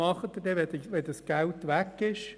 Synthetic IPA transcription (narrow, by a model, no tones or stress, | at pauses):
ɑχət̪ədɛʋɛdʋɛdəsɡ̥æltʋækːɪʃ